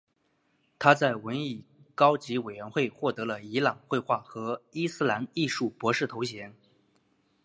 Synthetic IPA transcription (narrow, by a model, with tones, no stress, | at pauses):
t̪ʰa˥t͡sa˥˩ɪwə˧˥ni˥˩kɑ˥ʊt͡ɕi˧˥we˨˩ɪɥɛ˧˥nxwe˥˧ɪxwɔ˥˩t̪ɤ˧˥lə˧i˧˥lɑ˨˩ŋxwe˥˧ɪxwa˥˩xɤ˧˥i˥sɹ̩˥˧la˧˥ni˥˧ʂu˥˩pwɔ˧˥ʂɻ̩˥˩t̪ʰo˧˥ʊɕjɛ˧˥n